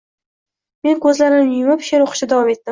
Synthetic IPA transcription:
me̞nkʰɵzlaɾɪnɪjʊmapʃeɾoqʰɨ̥ʃɪd̪avɒme̞t̪̚ːɪm

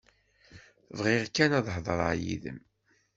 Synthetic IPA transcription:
vʁɪʁkːænæðˤhðˤəɾ̰ˤʕjḭðə̰m

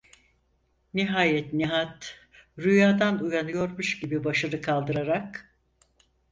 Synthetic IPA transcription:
niɦaːjɛt̪niɦat̪ | ɾujaːd̪anujanɯjo̞ɾmuʃɟibibaʃɯɾɯkʰalˠd̪ɯɾaɾak

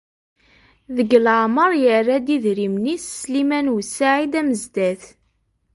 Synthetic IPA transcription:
ðəɡlʕməɾˤjərːæd̪iðɾimnisslimænusaʕid̪æməzd̪æθ

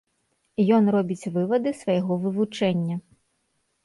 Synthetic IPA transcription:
jɔnrɔbʲit͡sʲvɨvɐd̪ɨsvɐjɛɣɔvɨvut͡ʂɛnʲːɐ

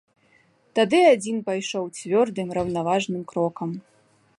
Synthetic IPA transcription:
t̪ad̪ɨad͡zʲinpajʂɔwt͡sʲvʲɔrd̪ɨmɾɐwnavaʐnɨmkɾɔkɐm

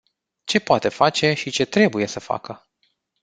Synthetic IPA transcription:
t͡ʃe̞poat̪e̞fat͡ʃe̞ʃit͡ʃe̞t̪ɾe̞buje̞səfa̰kə

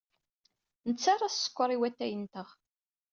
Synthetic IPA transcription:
nət͡sːaɾˤɑssə̥kʷːəɾˤiwæt̪ːæjənt̪əʁ

